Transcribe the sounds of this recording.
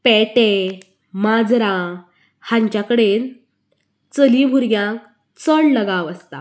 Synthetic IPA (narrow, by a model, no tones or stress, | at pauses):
pɛʈe | mad͡zɾã | hãɲt͡ɕjakəɽen | t͡səlibʱuɾɡjãk | t͡səɽləɡãʋəst̪a̰